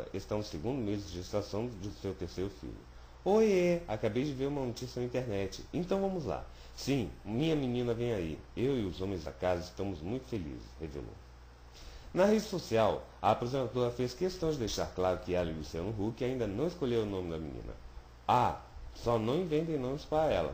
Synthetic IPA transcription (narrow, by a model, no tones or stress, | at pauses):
ɐ̰ʔest̪ɐ̃ʊseɡũnd̪ʊmezd͡ʒɪd͡ʒʒest̪ɾasɐ̃w̃d͡ʒ̪ʊsewt̪eɾsejɾʊfḭʎʊ̰ | oeakabejd͡ʒɪveɾũmɐnot͡ʃisjɐnɐĩt̪eɾnɛt͡ʃɪẽnt̪ɐ̃w̃vɐ̃mʊzla̰ | sĩmĩɲɐminĩnɐvẽj̃aḭewɪʊzõmẽza̰kazɐɪst̪ɐ̃mʊzmũj̃t̪ʊ̥felḭzɪ̰shevḛlõ̰ | nɐɦed͡ʒɪsosiaw | ɐːpozẽnad̪oɾɐfeskest̪ɐ̃w̃d͡ʒɪd̪ejʃaɾklaɾʊkɪɛlɐɪlusiɐ̃nʊɦukɪaĩd̪ɐnɐ̃w̃ɪskolʎewʊnõmɪd̪ɐmḭ̃nḭ̃nɐ̰ | asɔnɐ̃w̃ĩvẽnt̪̬ẽj̃nõmɪspaɾɐɛlɐ̰